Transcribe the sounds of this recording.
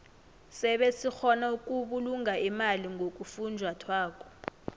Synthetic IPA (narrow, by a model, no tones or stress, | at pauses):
sɛɓesixɔnauk̬ʼuɓuluŋaimaliŋɡʱok̬ʼufund͡ʒʱwatʰwaːkʼɔ̥